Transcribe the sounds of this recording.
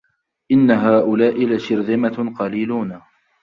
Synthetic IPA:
ʔɪnːaɦaːʔʊlaːʔɪlaʃɪɾðɪmaqɑliːluːn

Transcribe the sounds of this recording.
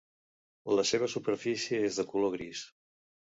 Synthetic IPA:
ləseβ̞əsupəɾfisiəezðəkuloɣɾis

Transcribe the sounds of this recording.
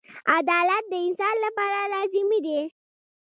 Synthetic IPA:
ad̪alat̪̚d̪əinsanlapaɾalad͡ʑimid̪e

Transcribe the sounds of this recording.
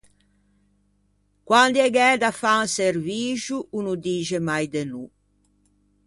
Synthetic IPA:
kwand̪iɛɡɛːd̪afanserviːʒuʔunud̪iːʒemajd̪enu

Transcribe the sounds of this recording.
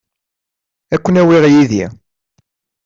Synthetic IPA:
ækʷːənæwiʁjiði

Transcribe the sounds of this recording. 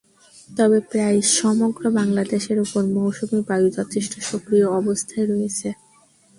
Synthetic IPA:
t̪ɔbepɾajʃɔmoɡɾobaŋlad̪eʃeɾopoɾmowʃumibajud͡ʑɔt̪ʰiʃʈʰoʃokɾioɔbost̪ʰaeɾɔet͡ɕʰe

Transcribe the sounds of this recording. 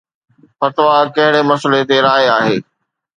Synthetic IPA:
fɐt̪ʋakɐɦɪɽemɐsəlet̪eɾaːeaːɦeː

